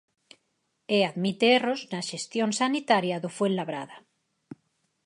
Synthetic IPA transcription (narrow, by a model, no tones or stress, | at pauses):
eaðmit̪eeroznaʃest̪jonsanit̪aɾjaðofwenlaβɾa̰ða